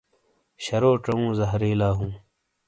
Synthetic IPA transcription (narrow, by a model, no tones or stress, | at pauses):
ɕɐɾoːʈ͡ʂɐũːzɐɦɾeːlaːɦũː